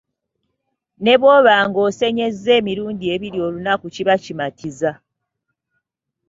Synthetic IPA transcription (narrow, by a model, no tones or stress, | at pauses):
ne̞βwo̞ːβaːŋɡo̞se̞ɲe̞zːe̞ːmiɾuːndie̞βiɾjo̞ːlunakuciβacimatiza